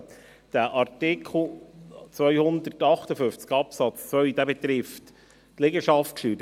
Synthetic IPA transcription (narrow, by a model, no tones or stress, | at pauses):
d̪̥æʔɑɾtɪkʰl̩t͡sʋœʏhʊnd̪ərtɑχt̪əfʏft͡skɑpsɑt͡st͡sʋœɥd̥̪æːbɛt̪ɾɪft | tlɪɡəʃɑftkʃyːt